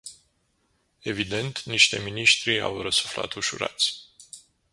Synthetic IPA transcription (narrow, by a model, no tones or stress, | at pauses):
e̞vid̪e̞nt̪niʃt̪e̞miniʃt̪ɾia̰wrəsu̥fla̰t̪uʃṵɾa̰t̪sʲ